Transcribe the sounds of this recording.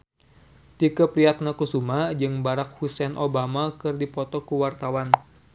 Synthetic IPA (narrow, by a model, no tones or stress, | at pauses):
t̪ikəpɾiat̪̚nakusumad͡ʒɨŋbaɾak̚husɛnʔobamakɨrdipɔt̪ɔkuwart̪awan